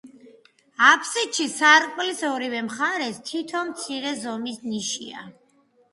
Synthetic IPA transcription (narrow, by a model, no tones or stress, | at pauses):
apʰsitʃisaɾqʼlisɔɾivɛmχaɾɛst̪ʰit̪ʰɔmt̪sʰiɾɛzɔmisniʃḭa̰